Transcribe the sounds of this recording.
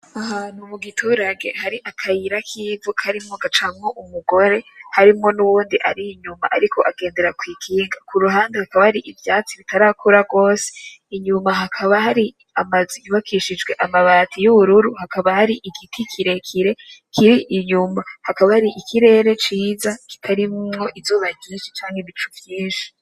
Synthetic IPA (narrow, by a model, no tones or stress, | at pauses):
aɦaːn̥humuɡitʰuːɾaɡe̞̰haɾiʔakʰajiɾakʰiːvukʰaɾimŋoɡat͡ʃamŋo̞ʔumuɡo̞ɾe̞haɾimŋo̞nuβuːndiʔaɾiːɲuma̰ʔaɾikʰo̞ʔaɡe̞ːnde̞ɾakwiːɡiːŋɡakuɾuɦaːndehakaβahaɾiʔivjaːt͡siβitaɾakʰuɾaɡo̞ːse̥iɲumaɦakʰaβaɦaɾi | amaziiβakʰiʃid͡ʒɡwe̞ʔamaβaːtʰijuβuɾuɾuhakaβahaɾiʔiɡitʰikʰiɾe̞kʰiɾe̞kʰiɾiʔiɲumahakaβahaɾiʔikʰiɾe̞ːɾe̞t͡ʃiːzaki̥tʰaɾimŋo̞ʔivzuːβaɡiːʃi̥t͡ʃaːŋheβit͡ʃuvjiːnʃi̥